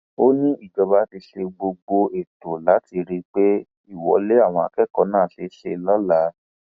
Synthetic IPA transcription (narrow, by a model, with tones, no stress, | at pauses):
o˦nĩ˦i˦˨d͡ʒɔ˧ba˦ti˧ʃe˧ɡ͡bo˧ɡ͡bo˧e˨to˨la˨˦ti˧ɾi˦˧k͡pe˦ | i˦˨wɔ̰˧˦le˦a˦˨w̃ɔ̃˧a̰˧˨kɛ˦˨kɔ˧˦nãː˦˨ʃe˧˦ʃe˧lɔ˦la˨˦